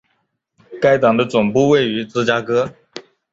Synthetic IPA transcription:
ka˥ɪt̪ɑ˨˩ŋd̪ə˦t͡sʊ˨˩ŋpu˥˧we˥˩ɪy˧˥t͡sɹ̩˥t͡ɕja˥kɤ˥

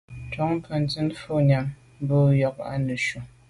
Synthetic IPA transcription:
tɔ˨˦ŋ˦pə˨n˨tɨ˦n˦fo˦˨ɲa˨m | m˦bo˦˨jɔ˨k̚a̰˦nə˨ʃu˨

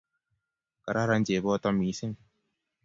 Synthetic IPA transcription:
ka˨ɾa˦ɾa˧nd͡ʒe˨bɔː˦t̪ɔ˧mi˨˦sɪ˦ŋ

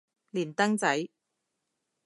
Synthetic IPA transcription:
liː˨˩nt̪ɐ˥ŋt͡sɐ˨˥j

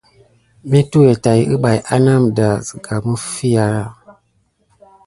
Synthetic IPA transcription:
mi˦tu˦e˨ta˨ji˦ɨ˦ɓa˨jʔa˦na˦˨mda˨zə˨ɡa˨mə˦fi˦ja˨ɾa˦˨

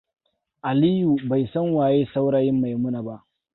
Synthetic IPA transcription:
ʔa˨liː˦ju˨ba˨jsɐ˦ŋwaː˨jeː˦sa˦wɽaː˦jɪ˦mːa˨jmʊ˦na˨ba˦ʔ

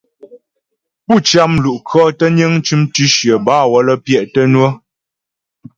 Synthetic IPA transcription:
pu˦˨t͡ʃja˦mlu˨ʔkʰɔ˦tə˦ɲə˦ŋ˦t͡ʃʉ˦mtʉ˦ʃjə˨baː˦wɔ˨˦lə˦pjɛ˦˨ʔtə˦nwə˦

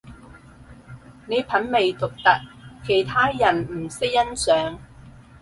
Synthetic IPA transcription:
ne˨˧jpʰɐ˨˥nme˨jt̪ʊ˨k̚t̪ɐ˨˥t̚kʰe˨˩jt̪ʰaː˥jɐ˨˩nm̩˨˩sɪ˥k̚jɐ˥nsœː˨˥ŋ

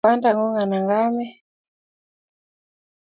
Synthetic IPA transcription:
a˦nda˨ŋu˦ŋa˨na˨ŋɡa˦mɛ˦

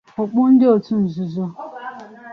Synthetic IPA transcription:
ɔ˨k͡pʊ˦n̩˦dɪ˦o˨tu˦n̩˨zu˨zɔ˦

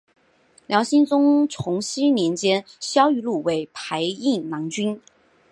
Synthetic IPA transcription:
ljɑ˧˥ʊɕi˥nt͡sʊ˥ŋt͡sʰʊ˧˥ŋɕi˥njɛ˧˥nt͡ɕjɛ˥nɕjɑ˥ʊy˧lu˥˩we˧˥ɪpʰa˧˥ɪi˥˩ŋnɑ˧˥ŋt͡ɕy˥n

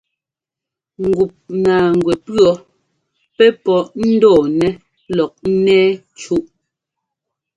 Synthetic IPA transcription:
ŋ̩˨ɡu˨p̚na˨ŋ˨ɡwɛ˨pɰɔ˦ | pɛ˦pɔ˨ʔn̩˦dɔː˨nɛ˦ | lɔ˨k̚n̩˦nɛː˦ | t͡ʃu˦ʔ

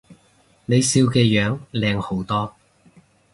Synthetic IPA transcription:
ne˨˧jsiː˧wkɛː˧jœː˨˧˥ŋlɛː˨˧ŋho˨˥wt̪ɔː˥

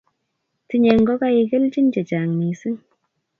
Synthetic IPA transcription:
ti˨˦ɲɛ˨ŋɡɔ˦ka˧i˧ke˦lt͡ʃi˦nt͡ʃɛ˨t͡ʃa˨ŋni˨sɨ˦ŋ

